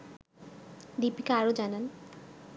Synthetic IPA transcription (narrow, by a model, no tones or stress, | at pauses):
dipikeaɾod͡ʑanan